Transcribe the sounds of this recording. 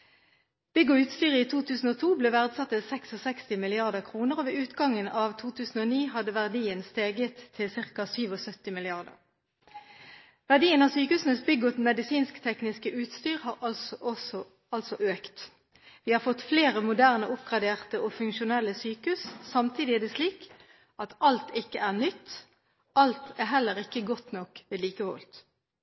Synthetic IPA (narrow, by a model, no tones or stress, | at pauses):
b̥ʏɡʊʉːt̪st̪yːʁəiːt̪ʰuːt̪ʰʉːsn̩oːt̪ʰuːbleːʋæʁd̪sɑt̪ːəsɛksɔsɛkst̪ɪmɪlɪɑʁd̪əʁkʰʁuːnəʁoːʋeːʉːt̪ɡɑŋənɑʋt̪ʰuːt̪ʰʉːsn̩oːniːɦɑd̪əʋæʁd̪iːənst̪eːɡət̪ʰːɪlsɪʁkɑsyːʋɔsœt̪ːɪmɪlɪɑʁd̪ə̰ʁ | ʋæʁd̪iːənɑːʋsyːkəhʉːsn̩əsbʏɡʊt̪mɛd̪ɪsiːnskt̪ʰɛknɪskəʔʉːt̪st̪yːʁhɑːʁɔɔ | ɑlsɔʔøːkt̪ | ʋɪːhɑːʁfɔt̪ːfleːʁəmʊd̪æʁnəʔʊpɡʁɑd̪eːʁt̪əʔɔfʉŋkʃʊnɛlːəsyːkʉssɑmt̪ʰiːd̪ɪæʁd̪ɛsliːk | ʔɑt̪ɑlt̪ɪkːəʔæːʁnʏt̪ː | ʔɑlt̪æɦɛlːəʁɪkːəɡɔt̪nɔkʋeːd̪liːkəʋɔ̰lt̪